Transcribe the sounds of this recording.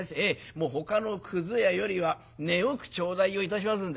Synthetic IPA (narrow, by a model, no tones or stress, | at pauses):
ɕemo̞ːɦo̞kano̞kʰɯ̟zɨjajo̞ɾʲiβa | ne̞okɯ̟̥t͡ɕo̞ːd̪aio̞it̪aɕ̬imasɨ̃nd̪